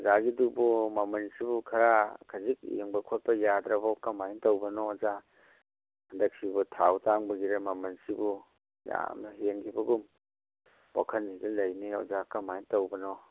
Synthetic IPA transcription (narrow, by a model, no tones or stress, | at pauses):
zaɡidubɔmamɐnsibukʰaɾakʰazik̚jḛŋbɐkʰot̚pɐjadɾɐbakamajintawbɐnɔza | handɐk̚sibutʰawtʰaŋbɐɡiɾemamɐnsibu | ja̰mnɐɦeŋkʰibɐɡum | wa̰kʰɐnidɐlɐjniɔ̰zakamajntawbɐnɔ